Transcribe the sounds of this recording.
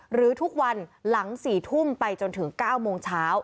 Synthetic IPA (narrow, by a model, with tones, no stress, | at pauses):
ɾɯː˩˦t̪ʰu˦˥k̚wa˧nla˩˦ŋsiː˨˩t̪ʰu˥˩mpa˧jt͡ɕo˧nt̪ʰɯ˩˦ŋkaː˥˩wmoː˧ŋt͡ɕʰaː˦˥w